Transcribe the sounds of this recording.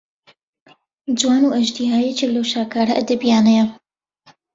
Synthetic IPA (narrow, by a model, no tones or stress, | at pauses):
d͡ʒwaːnuʔɐʒd̪ihaːjɛt͡ʃelɐwʃaːkaːɾɐʔɐd̪ɐbijaːnɐjɐ